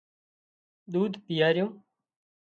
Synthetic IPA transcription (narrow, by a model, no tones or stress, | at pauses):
ɗ̪uːd̪ʱpɪjaːɾɪjõː